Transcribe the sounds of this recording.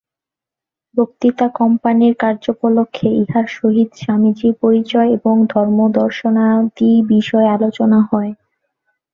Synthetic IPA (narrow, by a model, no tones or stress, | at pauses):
bokt̪it̪akɔmpaniɾkaɾd͡ʑopolokʰːeiɦaɾʃoɦid̪ʃamid͡ʑiɾpoɾit͡ɕɔeeboŋd̪ʱɔɾmod̪ɔɾʃonad̪ibiʃɔealot͡ɕonaɦɔe